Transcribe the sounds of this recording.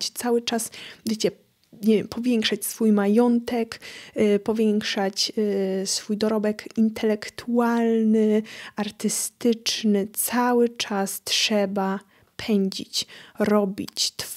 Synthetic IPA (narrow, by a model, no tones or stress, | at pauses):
t͡ɕt̪sawɘt͡ʂasvʲjet͡ɕɛ | ɲɛvʲjɛmpʰɔvʲjeŋkʂat͡ɕsfujmajɔnt̪ɛkpɔvʲjɛŋkʂat͡ɕsfujd̪ɔɾɔbɛkint̪ʰɛlɛkt̪ʰualnɘaɾt̪ɘst̪ɘt͡ʂnɘt̪sawɘt͡ʂastʂɛba | pʰɛɲd͡ʑḭt͡ɕɾɔbʲḭt͡ɕt̪